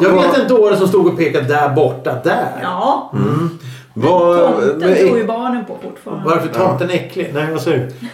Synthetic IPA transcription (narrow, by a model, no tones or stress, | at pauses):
jɑːɡeːt̪ːɛnd̪əoːɾənsɔmst̪uːɡɔpʰeːkad̪əd̪æɾbɔʈːad̪æɾ | vaɛbɑːɳənpʰɔfʊʈːfɑːɾanvaɾfət̪ʰɑːt̪d̪ɛnɛkːlɪnæɪvasɔʉ